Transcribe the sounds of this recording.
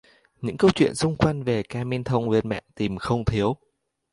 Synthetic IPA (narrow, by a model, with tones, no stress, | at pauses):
ɲɨ̰˧˥ŋkə˧wt͡ɕwḭ˧˨ənsʊ˧ŋ͡mkwa˧jŋ̟ve˨˩kaː˧mi˧nt̪ʰə˧wŋ͡mwi˧ənmɛ̰ː˧˨nt̪i˨˩mxə˧wŋ͡mt̪ʰi˨˦əw